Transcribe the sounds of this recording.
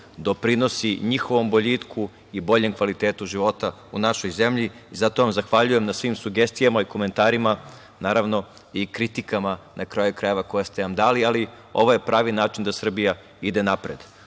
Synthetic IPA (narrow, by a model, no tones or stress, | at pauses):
d̪o̞pɾino̞siɲixo̞ʋo̞mboʎiːt̪kʰu | ibo̞ʎe̞mkʋalit̪eːt̪uʒiʋo̞t̪a | unaʃo̞jze̞mʎiizat̪o̞ʋamzaxʋaʎuje̞mnasʋimsuɡest̪ijamaiko̞ment̪aːɾima | naːɾaʋno̞ | ikɾit̪ikamanʔakɾajukɾaje̞ʋakojast̪enamd̪aːliali | o̞̰ʋoje̞pɾaːʋinaːt͡ʃind̪asr̩bija | id̪enapɾed̪